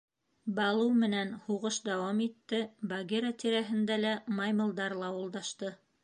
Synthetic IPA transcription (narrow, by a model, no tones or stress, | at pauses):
bɑlˠɤwmɘ̆nænhuʁɤʃd̪æwɑmit̪ːɘbɐɡeɾɑt̪iɾæɦɘ̆nd̪ælæmɑjmɤ̆lˠd̪ɑɾlˠɑwŭlˠd̪ɑʃt̪ɤ